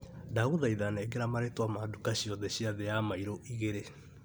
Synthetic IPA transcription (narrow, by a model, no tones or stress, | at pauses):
daɣuðaiðanɛɡeɾamaɾetwamadukaɕiɔðɛɕiaðɛjamaiɾoʔiɣeɾe